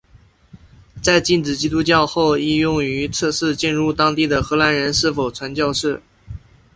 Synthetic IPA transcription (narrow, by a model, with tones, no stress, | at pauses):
t͡sa˥˧ɪt͡ɕi˥˩nʈ͡ʂɻ̩˨˩t͡ɕi˥t̪u˥t͡ɕjɑ˥˧ʊxo˥˧ʊi˥˧jʊ˥˩ŋy˧˥t͡sʰɤ˥˧ʂɻ̩˥˧t͡ɕi˥˧nɻu˥˩t̪ɑ˥ŋt̪i˥˩d̪ə˩xɤ˧˥la˧˥nɻə˧˥nʂɻ̩˥˩fo˨˩ʊt͡sʰwa˧˥nt͡ɕjɑ˥˧ʊʂɻ̩˥˩